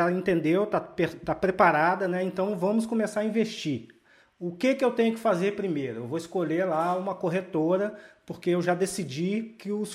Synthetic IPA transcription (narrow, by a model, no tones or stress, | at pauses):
aẽnt̪ẽnd̪ewt̪apeɾt̪apɾepaɾad̪ɐnɛẽnt̪ɐ̃w̃vɐ̃mʊskõmesaɾɐĩveʃt͡ʃi | ʊkekɪewt̪ẽɲʊkɪ̥fazeɾpɾimejɾʊewvoɪskoʎelaũmɐkoɦet̪oɾɐpoɾkeewʒad̪esid͡ʒikɪʊs